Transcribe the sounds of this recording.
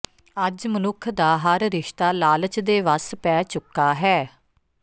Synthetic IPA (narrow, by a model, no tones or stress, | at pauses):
əd͡ʒmənʊkʰd̪aːɦəɾɾɪʃt̪aːlaːlət͡ʃd̪eːʋəspɛːt͡ʃʊkːaːɦɛː